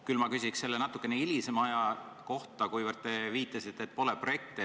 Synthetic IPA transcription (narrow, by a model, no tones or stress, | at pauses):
kylmɑkysʲikse̞lːenɑt̪ːˑu̥kːˑe̞neilʲisemɑjɑko̞ht̪ˑɑkujvərd̪̚t̪e̞viːt̪ːˑɑsit̪ːˑet̪̚ːˑpo̞lepro̞je̞k̚t̪e